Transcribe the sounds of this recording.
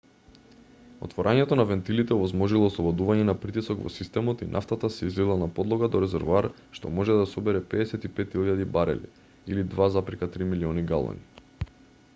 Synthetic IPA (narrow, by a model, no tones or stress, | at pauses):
o̰t̪vɔɾʔaɲɛt̪ɔnavɛnt̪ilit̪ɛovɔzmɔʒilˠɔːslˠɔbɔd̪uvaɲɛnapɾit̪isɔɡvɔ̰sist̪ɛmɔt̪inʔa̰ft̪at̪asɛizlilˠanapɔd̪lˠɔɡad̪ɔɾɛzɛɾvoaɾ | ʃt̪ɔ̰mɔʒɛd̪asɔbɛɾɛpɛdɛsɛt̪ipɛt̪ilʎad̪ibaɾɛ̰lḭ | ilid̪vazapɾikat̪ɾimiliɔniɡalˠɔ̰ni